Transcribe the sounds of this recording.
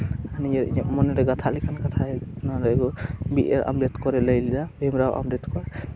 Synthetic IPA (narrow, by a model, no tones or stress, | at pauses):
anijaɾḭɲɔʔ̚mɔnɛɾɛɡat̪ʰalikʰankat̪ʰaɛnaɾaɡɔbiʔeɾa̰mɾɛt̪kɔɾɛləjlid̪abemɾawʔa̰mɾɛt̪kɔɾɛ